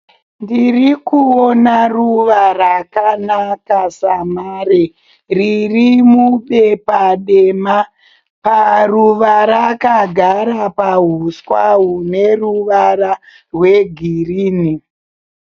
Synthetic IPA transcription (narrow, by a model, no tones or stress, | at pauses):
ndirikuonaruʋarakanakasamaːre | ririmuɓe̞paɗema | paruʋaɾakaɡʱaɾapaɦuskwaɦune̞ruʋara | rwe̞ɡʱiriːni